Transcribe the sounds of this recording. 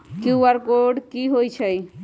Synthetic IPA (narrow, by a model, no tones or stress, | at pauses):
kiaɾkoɖkiɦojt͡ʃʰəj